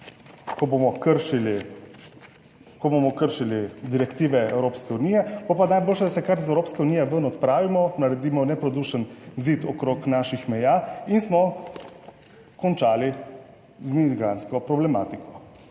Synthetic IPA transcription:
kɔbomɔkəɾʃili | kɔbomɔkəɾʃilid̪iɾɛkt̪iːʋɛɛwɾoːpskɛuniːjɛb̥opanajboːlʃɛd̪asɛkaɾizɛwɾoːpskɛuniːjɛʋənɔt̪pɾaːʋimɔnaɾɛd̪iːmɔnɛpɾɔd̪uʃənzit̪ɔkɾoːknaːʃixmɛjainsmɔ | kɔnt͡ʃaːli | zmiɡɾanskɔpɾɔblɛma̰ːt̪ikɔ̥

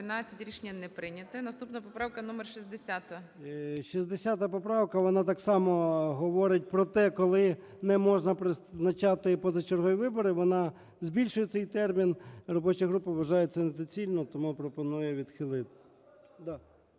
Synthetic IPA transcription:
ɪnat͡sʲːɐtʲɾʲiʃnʲːɐnɛpɾɪnʲɐt̪ɐnɐst̪upnɐpɔpɾɑwkɐnumerʃizd̪esʲat̪ɐ | ʃizd̪esʲat̪ɐpɔpɾɑwkɐʋɔnɑt̪ɑksɑmɔɦɔʋɔɾɪt̚ʲpɾɔt̪ɛkɔlˠɪ | nɛmɔʒnɐpɾɪnɐt͡ʃɑt̪ɪpɔzɐt͡ʃerɦɔjiʋɪbɔɾɪʋɔnɑ | zʲbʲilʲʃʊjɛt̪sɛjt̪ɛrmʲinrɔbɔt͡ʃɪɦɾupɪʋʋɐʒɑjet͡sʲːɐnet̪ɔt͡sʲilʲnɔt̪ɔmupɾɔpɔnujɛʋʲid̪xɪlˠɪt̪ɪ | d̪ɑ

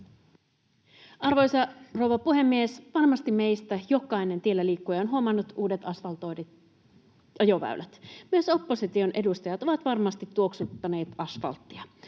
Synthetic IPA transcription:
ɑrʋo̞jsɑro̞wʋɑpuɦe̞mːiesʋɑnmɑst̪ime̞jst̪æjo̞kɑjne̞nt̪ielːæliːkːujeonɦuomɑnːut̪uːde̞t̪ɑsfɑlt̪ojde | ɑjo̞ʋæ̰ylʔæt̪myøso̞pːosit̪io̞nʔe̞dust̪ɑjɑt̪o̞ʋɑt̪ʋɑrmɑst̪it̪ːuoksut̪ːɑne̞ːt̪ɑsfɑ̰lt̪ːiɑ

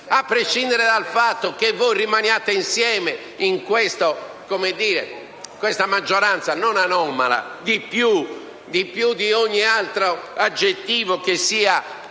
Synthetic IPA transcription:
apːɾeʃind̪ɛɾɛd̪alfat̪ːokevːojrimanjaːt̪einsjɛːme | iŋkwest̪o | komed̪ːiːɾḛ | kwɛst̪amad͡ʒːɔɾant̪sanonanɔma̰la̰d̪ipju | d̪ipjud̪ioɲːialt̪ɾoad͡ʒːet̪ːiːvokesːiːa

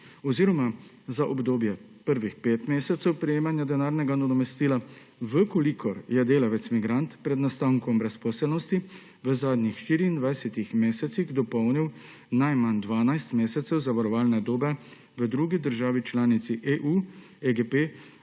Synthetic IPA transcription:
ɔziːɾɔma | zaʔɔbd̪oːbjɛ | pəɾʋixpeːt̪meːsɛt̪sɛwpɾɛjeːmanjad̪ɛnaːɾnɛɡanad̪ɔmɛst̪iːla | ʋəkɔlikʰɔɾjɛd̪eːlaʋɛt̪smiɡɾant̪pɾɛd̪nast̪aːwŋkɔmbɾɛspɔːsɛlnɔst̪i | ʋəzaːd̪nixʃt̪iːɾiːnd̪ʋajsɛt̪ixmeːsɛt̪siɣd̪ɔpɔwniw | najmand̪ʋaːnajst̪meːsɛt̪sɛwzaʋaɾɔʋaːlnɛd̪oːbɛ | ʋəd̪ɾuɡid̪əɾʒaːʋit͡ʃlaːnit̪siʔeʔu | eɡepe

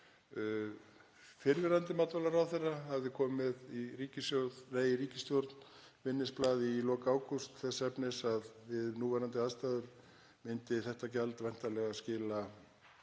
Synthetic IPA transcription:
fɪɾvɪɾant̪ɪmat̪vɔlaɾawθɛrːahavðɪkʰɔːmɪðiriːcɪst̪joðreːjɪriːcɪst̪jowɾt̪n̥ | vɪnːɪsplaːðɪilɔːkaaːwkust̪θɛsːɛpnɪsaðvɪðnuːvɛɾant̪ɪaðst̪aːðʏɾ̥ | mɪnt̪ɪθɛht̪acalt̪vɛjn̥t̪alɛɣascɪːla

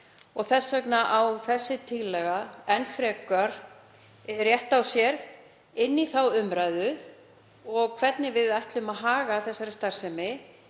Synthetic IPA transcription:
ɔɣθɛsːœknaʔawθɛsːɪt̪ʰɪɣlːɛɣaɛnfɾɛkaɾ̥ | rjɛht̪awsjɛɾ | ɪnːiθawʏmɾajðʏ | ɔɣkʰvɛt̪nɪvɪðajht̪lʏmaðɦaːɣaθɛsːaɾɪst̪ar̥sɛmɪ

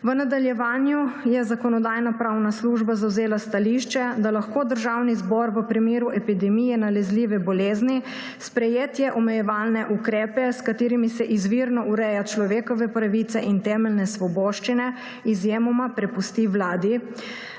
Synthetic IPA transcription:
ʋənad̪aljɛʋaːnjujɛzakɔnɔd̪aːjnapɾawnasluʒbazawzeːlast̪aliʃt͡ʃɛd̪alaxkoːd̪əɾʒawnizbɔɾʋəpɾimeːɾuʔɛpid̪ɛmijɛnalɛzliːʋɛbɔleːzni | spɾɛjeːt̪jɛʔɔmɛjɛʋaːlnɛʔukɾɛːpɛskat̪eːɾimisɛʔizʋiɾnɔuɾɛjat͡ʃlɔʋeːkɔʋɛpɾaʋit̪sɛʔint̪ɛːmɛlnɛsʋɔbɔːʃt͡ʃinɛ | izjeːmɔmapɾɛpust̪iʋlaːd̪i

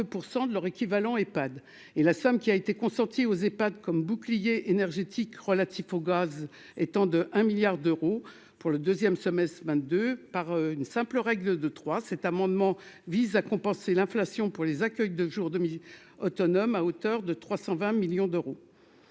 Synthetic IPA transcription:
øpuʁsɑ̃d̪əlœʁekʲivalɑ̃epad̪ | elasɔmkʲiaet̪ekɔ̃sɑ̃t̪ʰiozepad̪kɔmbuklijeʔenɛʁʒet̪ʰikʁəlat̪ʰifoɡaz | ɛt̪ɑ̃d̪əʔɛ̃miljaʁd̪øʁo | puʁləd̪øzjɛmsɔmɛst̪vɛ̃t̪̚d̪øpaʁynsɛ̃pləʁɛɡləd̪ət̪χwasɛt̪amɑ̃d̪mɑ̃vizakɔ̃pɑ̃selɛ̃flasjɔ̃puʁlezakʲœjd̪əʒuʁd̪əmi | ɔt̪ɔnɔmaot̪œʁd̪ət̪χwasɑ̃vɛ̃miljɔ̃d̪øʁo

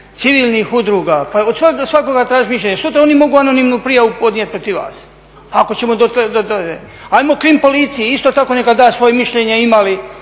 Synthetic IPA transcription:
t̪siʋiːlnixud̪ɾuːɡaːpaod̪sʋaɡsʋako̞ɡat̪ɾaːʒimiʃ̬ʎʲeɲesuːt̪ɾao̞nimo̞ɡuanonimnupɾijaʋupo̞d̪niet̪̚pɾot̪iʋʋa̰ːs | aako̞t͡ɕemod̪ot̪d̪od̪o | ajmokɾimpo̞lit̪sijeist̪o̞t̪ako̞nekad̪aːsʋo̞jemiʃʎeɲeimali

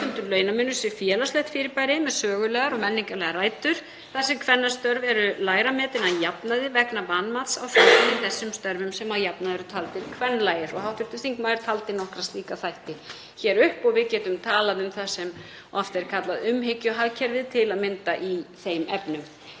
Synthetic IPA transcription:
ʏnt̪ʏɾlœːɥjnamʏnːʏsɪfjɛːlaslɛjht̪fɪːɾɪɾpajɾɪmɛðsœːɣʏlɛːɣaɾɔɣmɛnːiŋkaɾlɛɣaɾraːjt̪ʏɾ̥ | θasːɪkʰvɛnːast̪œɾvɛɾʏlaːjɾamɛːt̪ɪnaðjapnaðɪvɛknapanmat̪sawfanɪmθɛsːʏmst̪œɾvʏmsɛmaðjapnaðɛɾʏt̪ʰalt̪ɪɾ̥kʰvɛnːlaːjɪɾɔɣhawht̪ʏɾ̥t̪ʏmθiŋkmajðɛɾ̥t̪ʰalt̪ɪnɔhkɾast̪liːkaθajht̪ɪ | çɛːɾʏhpɔɣvɪðcɛːt̪ʏmt̪ʰaːlaðʏmθasːɛm | ɔft̪ɛɾ̥kʰat̪laðʏmɦecːʏɦaðcʰɛɾvɪðt̪ʰɪlaðmɪnt̪aʔiθejmʔɛpnʏm

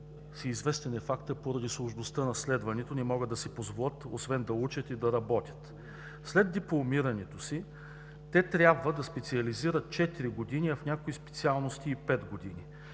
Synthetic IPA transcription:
siːzvɛst̪ɛnɛfakt̪əpoɾɐd̪islˠoʒnost̪ənɐslɛd̪vɐnɛt̪onɛmɔɡəd̪ːɐsɛpozvolˠət̪osvɛnd̪ɐut͡ʃət̪id̪ɐɾɐbɔt̪ʲə̥t̪ | slɛd̪ːɛplˠomiɾɐnɛt̪osi | t̪ɛt̪ɾʲjabvəd̪ɐspɛt̪siɐliziɾət̪̚t͡ʃɛt̪iɾiɡod̪iniɐfnʲakoispɛ̥t̪sialˠnost̪iːpɛd̪ɡod̪ini

